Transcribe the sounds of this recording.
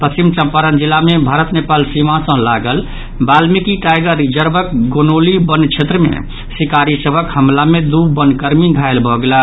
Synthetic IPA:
pəst͡ʃimt͡ʃə̃mpaɾənd͡ʒilːamebʱaɾət̪nepalsimãsə̃ɦlaɡəl | balmikiʈajɡəɾid͡ʒəɾbʱək̚ɡonolibənt͡ʃʰet̪ɾəmḛ | sikaɾisəbʱəkhəmlamed̪ubənkəɾmiɡʱaelbʱɔɡela

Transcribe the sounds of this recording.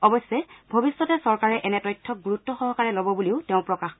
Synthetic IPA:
ɔbɔsːɛbʱobisːɔtɛsɔɹkaɹɛʔɛnɛtɔjtʰːɔk̚ɡuɹutːɔxɔɦɔkaɹɛlɔbɔbuliʊtɛʊ̃pɹɔkax

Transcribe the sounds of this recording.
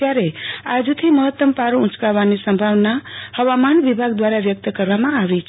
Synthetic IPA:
aɾead͡ʒut̪ʰiməɦət̪ːəmpaɾũt͡ʃʰkaʋanisə̃mbʱaʋnahəʋamanʋibʱaɡd̪waɾaʋjək̚t̪kəɾʋamãaʋɛt͡ʃʰ

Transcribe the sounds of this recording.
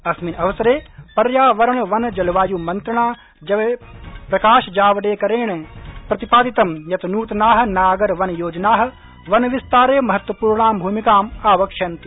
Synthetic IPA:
ɐsminɐʋɐsɐɾeːpɐɾjaːʋɐɾɐɳʋɐnd͡ʒɐlɐʋaːjuːmɐnt̪ɾɐɳaː | d͡ʒɐʋeːpɾɐkaːʃd͡ʒaːʋɐɽeːkɐɾeːɳpɾɐt̪ipaːd̪it̪ɐmjɐt̪ɐnuːt̪naːɦɐ̆naːɡɐɾʋɐnjoːd͡ʒɐnaːɦɐ̆ | ʋɐnʋist̪aːɾeːmɐɦɐt̪ʋɐpuːɾɳaːmbʱuːmikaːmaːʋɐkʃɐnt̪i̥

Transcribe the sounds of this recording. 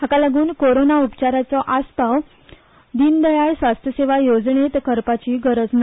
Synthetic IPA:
ɦakalaɡuːnkoɾonaupt͡ɕaɾat͡sɔʔaspaw | d̪ind̪əjajsʋast̪ʰjəseʋajod͡zɳet̪kəɾpat͡ɕiːɡəɾəd͡zna

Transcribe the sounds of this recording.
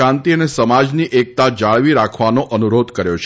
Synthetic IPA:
ãnt̪iənesəmad͡ʒniʔek̚t̪ad͡ʒaɭʋiɾakʰʋanoʔənuɾod̪ʱkəɾjo̰t͡ʃʰ

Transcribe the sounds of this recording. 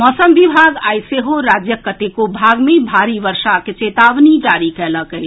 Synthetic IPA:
mɔːsəmbibʱaɡajseɦoɾad͡ʒjəkːət̪ekobʱaɡmebʱaɾibəɾsaket͡ʃet̪aʋnid͡ʒaɾikɛləkəj

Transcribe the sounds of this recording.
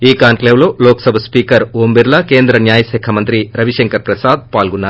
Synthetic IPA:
iːkaːnkleːʋlo̞ːloːksɐbʱɐspiːkɐɾoːmbiɾlɐke̞ːnd̪ɾɐnjaːjɐsɛːkʰɐmɐnt̪ɾiɾɐʋiʃɐŋkɐɾpɾɐsaːd̪̚paːlɡunːaːɾu

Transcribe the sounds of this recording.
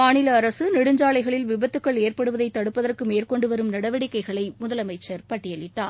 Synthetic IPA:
maːnɪlɐːɾɐsɯnɪɽɯɲd͡ʒaːɭɐɪɣɐɭɪlʋɪbɐt̪ːɯkːɐɭeːrpɐɽɯʋɐðɐɪt̪ːɐɽɯpːɐðɐrkɯmeːrkɔɳɖɯʋɐɾɯmnɐɽɐʋɐɽɪkːɐɪɣɐɭɐɪmʊðɐlɐmɐɪt͡ʃːɐɾpɐʈːɪjɐlɪʈːa̰ː

